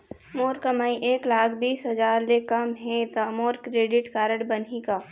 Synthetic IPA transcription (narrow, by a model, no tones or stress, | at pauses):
moːɾkəmaːĩʔeːklaːkʰbiːsɦɐd͡ʒaːɾlekɐmɦɛ̃t̪amoːɾkɾeːɖɪʈkaːɾəʈbənɦikaː